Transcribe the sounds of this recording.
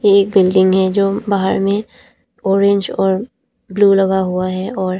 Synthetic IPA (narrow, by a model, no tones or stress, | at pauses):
jeːk̚bɪlɖɪ̃ŋɡɦɛd͡ʒoːbaːɦə̰ɾmẽ | ɔːɾẽɲd͡ʒɔːɾ | bluːlɐɡaɦuaɦɛɔːɾ